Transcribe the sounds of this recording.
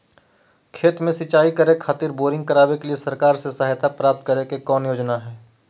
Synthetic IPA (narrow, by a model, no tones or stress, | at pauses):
kʰeːt̪mẽsɪt͡ʃaːikəɾekʰaːt̪iːɾboːɾɪ̃ŋɡ̚kɐɾaːbekeliesɐɾkaːɾsesəɦjt̪apɾaːp̚t̪̚kəɾekekɔːnjoːd͡ʒnaɦɛː